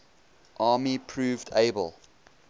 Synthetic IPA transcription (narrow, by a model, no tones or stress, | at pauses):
ʔɑːmipʰɹʉːvdeɪbə̰lˠ